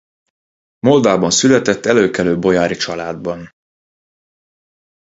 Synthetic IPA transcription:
molvaːbɒnsylɛt̪ɛt̪ːɛløːkɛløːbo̞jaːɾit͡ʃɒlaːd̪̚bɒn

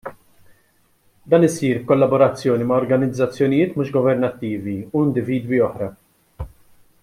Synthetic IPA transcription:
d̪ɐːnɪsiːɾkɔlːɐbɔɾɐt͡sːjɔːnimɐɔɾɡɐnɪd͡zːɐt͡sːjɔnɪjɪːt̪muːʃɡɔvɛɾnɐt̪ːiːviuɪnd̪ɪviːd̪wiɔħɾɐ

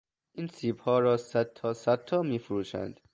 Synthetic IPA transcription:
ʔinsiːbhɒːɾɒːsæd̪̚t̪ʰɒːsæd̪̚t̪ʰːɒːmiːfuɾuːʃæ̰nd̪̥

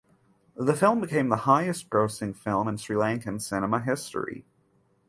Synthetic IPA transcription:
ðəfɪlˠmbɨkʰẽɪ̃mðəhaɪɨsɡ̥ɹoʊsɪ̃ŋfɪlˠmə̃nsɹilæ̃ŋkɨ̃nsɪnəməɦɪstɹḭ

